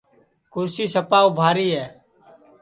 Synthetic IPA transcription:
kʊɾsiːsəpaːubʱaːɾiːɦɛː

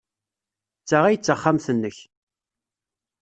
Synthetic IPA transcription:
t͡sːaʁæjət͡sːəχːamθənːəç

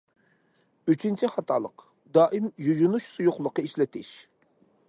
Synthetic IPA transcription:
yt͡ʃʰint͡ʃʰiχɑt̪ʰɑlˠə̰q | d̪ɑːʔimjujunuʃsujuχlˠəqəiʃlɪt̪ʰɪʃ

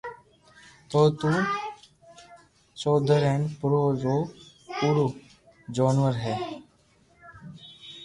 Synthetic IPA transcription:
t̪oːt̪u | soːd̪ʱəɾenpʊɾoːɾoː | puɾu | d͡ʒoːnʋəɾɦɛː

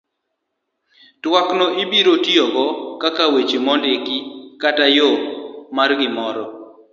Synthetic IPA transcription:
twaknɔʔibiɾotiɔɡɔkakawet͡ʃimɔndekɪkatajɔmarɡɪmɔɾɔ

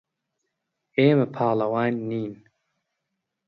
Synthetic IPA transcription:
eːmɐpʰaːlɐwaːnːiːn

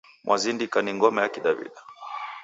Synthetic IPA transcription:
mwʔazindikaniŋɡɔmɛjakiɗavḭɗa

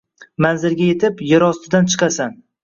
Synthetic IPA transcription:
manzɪɾɡʲajet̪ʰɪpjɪɾɒst̪ɪd̪ant͡ʃʰɨ̥qʰɑsan

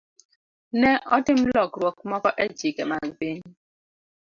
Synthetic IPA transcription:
nɛʔɔtim̩lɔkɾwɔk̚mɔkɔʔed͡ʒikɛmaŋben

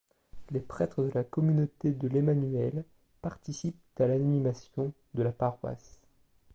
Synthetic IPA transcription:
lepχɛt̪χəd̪əlakɔmynot̪ed̪əlemanɥɛl | paʁt̪isip̚t̪alannimasjɔ̃ | d̪əlapaʁwa̰s

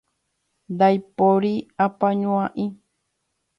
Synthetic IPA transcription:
d̪ajpoɾiapaɲũãʔĩ

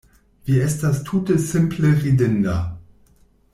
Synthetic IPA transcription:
viːɐɛstastʰuːtəsɪmpʰləʁidɪndɐ

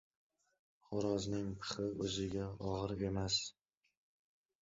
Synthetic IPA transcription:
χʊɾɒznɪŋpʰɨ̥χɪɵzɪɡʲaɒʁɨɾe̞mas

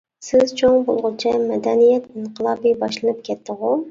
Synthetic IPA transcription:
sɪzt͡ʃʰoŋbolˠʁʊt͡ʃʰɛmɛd̪ɛnijɛt̪iɴqʰəlˠɑːbijbɑʃlˠɨnɨpkʲʰɛt̪ːəʁʊ

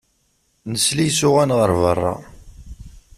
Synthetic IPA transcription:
nəslijsʊʁænʁəɾvərˤːɑ̰

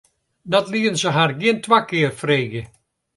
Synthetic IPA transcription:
dɔtliːənsəɦarɡiəntʰʋakɪːrfreːɣə

